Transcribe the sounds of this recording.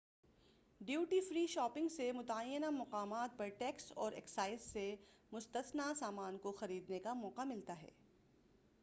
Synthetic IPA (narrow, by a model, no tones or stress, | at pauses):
ɖjuːʈiːfɾiːʃɔːpɪ̃ŋɡsemʊt̪aəjːənamɐqaːmaːt̪̚pɐɾʈɛːksɔːɾɛksaːɪsːe | mʊst̪əsnasaːmaːnkoxɐɾiːd̪nekamɔːqamɪlt̪aɦɛ̰ː